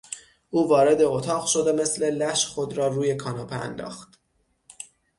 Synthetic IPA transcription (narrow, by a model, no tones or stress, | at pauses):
ʔuːvɒːɾe̞d̪eot̪ʰɒːʁʃo̞d̪e̞me̞sle̞læʃxo̞d̪ɾɒːruːje̞kʰɒːnɒːpʰeæ̰nd̪ɒ̰ːxt̪